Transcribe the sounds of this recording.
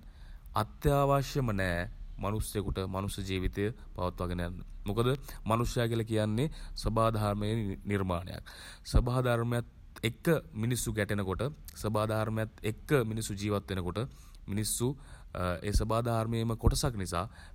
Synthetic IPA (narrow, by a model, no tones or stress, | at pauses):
at̪jaːʋaːʃjəmənɛːmanusjekuʈəmanusjɐd͡ʒiːʋit̪ejə | pa̰ʋɐt̪ʋaɡənəja̰nːəmukəd̪əmanusjaːkiəlakijanːesəbaːd̪ʱaaɾməjeniɾmaːnḛja̰k | səbaːd̪ʱaɾməjat̪ | ekːəminisːuɡæʈenəkoʈəsəbaːd̪ʱaaɾməjat̪ekːəminisːud͡ʒiːʋat̪ʋenəkoʈə | minisːu | eːsəbaːd̪ʱaaɾməjeməkoʈɐsaknisa̰ː